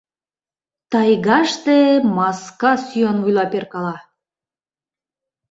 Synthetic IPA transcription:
t̪ɑjɡɑʃt̪emɑskɑsyjɑnujlˠɑpʲerkɑlˠɑ

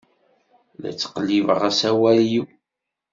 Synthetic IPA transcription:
læ̰t͡sːqlːivəʁasæwæljw

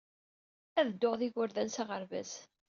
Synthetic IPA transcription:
æðəd̪ːoʁðiʝʊɾðænsaʁəɾvæ̰s

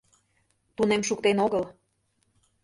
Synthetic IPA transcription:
t̪unemʃukt̪enoɣəl

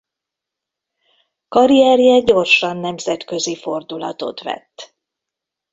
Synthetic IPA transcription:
kɒɾijɛrjɛɟo̞rʃɒnːɛmzɛt̪kø̞zifo̞rd̪ulɒ̰t̪o̞̰t̪ʋɛ̰t̪ː

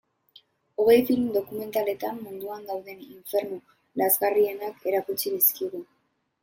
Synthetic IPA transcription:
o̞ɣ̞e̞jfilmd̪o̞kume̞nt̪ale̞t̪amːund̪uand̪awðe̞niɱfe̞ɾnu | lazɣarie̞nakʰe̞ɾakut͡siðiskiɣu

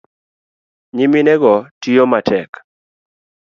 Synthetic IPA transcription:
ɲiminɛɡɔtijomatʰɛk

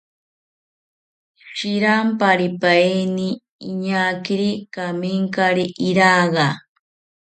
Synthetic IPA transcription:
ʃiɾampaɾipajniː | ɲakiɾikamiŋkaɾiʔiɾaɢɑ

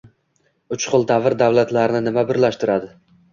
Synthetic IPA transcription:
ʊt͡ʃqʊlˠd̪avɪɾd̪avlat̪ʰlaɾɪnɪnɪmabɪɾlaʃt̪ɪɾad̪ɪ

